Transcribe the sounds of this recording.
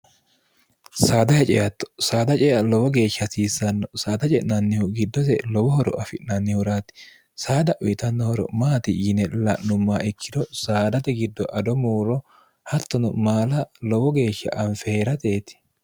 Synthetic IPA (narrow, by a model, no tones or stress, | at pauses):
saːd̪ɐhɛt͡ʃʼɛjɐt̪ːɔ̥saːd̪ɐt͡ʃʼɛjɐlɔwɔɡe̞ːʃːɐsiːsːɐnːɔsaːd̪ɐt͡ʃʼɛʔnɐnːɪhʊɡɪd̪ːɔsɛlɔwɔhɔɾɔ̰ʔɐfɪʔnɐnːɪhʊɾaːt̪ɪ̥ | saːd̪ɐʔʊjɪt̪ɐnːɔhɔɾɔ̰maːt̪ɪjɪnɛlɐʔnʊmːaːɪkʰːɪd̪ɔsaːd̪ɐt̪ɛɡɪd̪ːɔʔɐd̪ɔmuːɾɔ | hɐt̪ːɔnʊmaːlɐlɔwɔɡe̞ːʃːɐ̰ʔɐɱfɛheːɾɐt̪e̞ːt̪ɪ̥